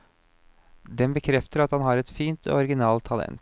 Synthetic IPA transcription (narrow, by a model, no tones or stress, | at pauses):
d̪ɛmbəkʰɾɛft̪əɾɑt̪hɑnɦɑɾɛt̪fiːnt̪o̰ɔɾɡɪnɑːlt̪ʰːɑlɛ̰nt̪